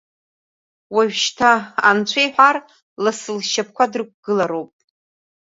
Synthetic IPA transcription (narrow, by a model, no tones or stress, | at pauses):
waʒʷᶣʃtʰaant͡ɕʷʰejħʷᶣar | lasɨlʃap̚ʰkʷʰadɨrk̚ʷɡ̥ɨlaɾowpʼ